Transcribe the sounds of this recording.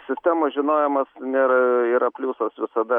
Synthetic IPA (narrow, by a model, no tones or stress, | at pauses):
sʲɪsʲt̪ʲæːmoːʒʲɪnoːjɛmɐsnʲeːɾɐiːɾɐpʲlʲuːsɐsʋʲɪsɐd̪ɐ